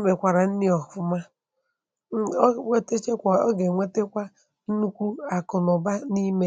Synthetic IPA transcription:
me˨kʷa˨ɾa˨n̩˦nɪ˦ɔ˨fʊ˦ma˦ | ŋʷe˦te˦t͡ʃe˦kʷa˨ɔ˦ɡe˨ŋʷe˦te˦kʷa˦ | n̩˦nu˦kʷu˦a˨kʊ˨nɔ˨ba˦ni˦me˦

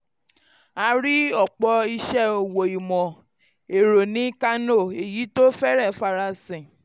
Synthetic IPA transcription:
a˧˦ɾi˦ɔ˦˨k͡pɔ˧i˧ʃɛ˦o˨wo˨i˨mɔ̃˨ | e˨ɾo˨nĩ˨˦ka˦no˦˨e˨ji˨˦to˦fɛ˦ɾɛ˦˨fa˧ɾa˧sɛ̃˨

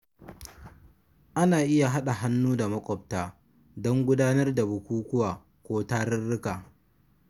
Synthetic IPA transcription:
ʔa˦naː˨ʔɪ˦ja˨ɦa˦ɗa˨ɦa˦nːuː˦da˨mɐ˦kʷʼɔ˨b̚taː˦ | dɔ˦ŋɡʷʊ˦daː˦nɐ˦rda˨bʊ˨kʷuː˦kʷʊ˦waː˨ | kʷoː˦taː˦ɾɪ˦rːɪ˦kaː˨

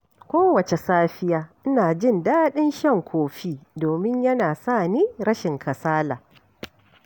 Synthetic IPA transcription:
kʷoː˦wɐ˨t͡ʃe˨saː˦ɸɪ˦jaː˦ʔɪ˦naː˨d͡ʒɪ˦˨ndaː˦ɗɪ˦nʃɛ˦ŋkʷʰoː˨ɸiː˦doː˨mɪ˦ɲjɐ˦naː˨sa˦˨niː˦ɾɐ˦ʃɪ˨ŋkʰɐ˨saː˦laː˨

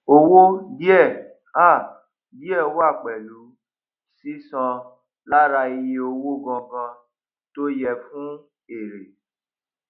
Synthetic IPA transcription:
o˦wo˦di˦ɛ˦˨ | a˦˨ | di˦ɛ˦˨˦wa˦˨k͡pɛ˨lu˨˦ | si˦sɔ̃˧ | la˦ɾa˧i˧je˧o˧wo˦ɡɔ̃˧ɡã˧ | to˦jɛ˦fũ˦ | e˨ɾe˨

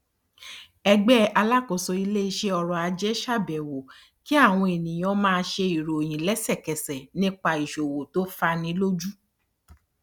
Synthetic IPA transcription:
ɛ˧ɡ͡bɛ˦a˧la˦˨ko˨sɔ˧i˧le˦i˧ʃe˦ɔ˧ɾɔ˨a˧d͡ʒɛ˦ʃa˦˨bɛ˨wo˨ | ki˦a˦˨w̃ɔ̃˧e˨nĩ˨j̃ɔ̃˨˦mãː˧ʃe˧i˨ɾo˨j̃ĩ˨lɛ˨˦sɛ˦˨kɛ˨sɛ˨nĩ˦k͡pa˧i˨ʃo˨wo˨to˨˦fa˧nĩ˨˦lo˦d͡ʒu˦

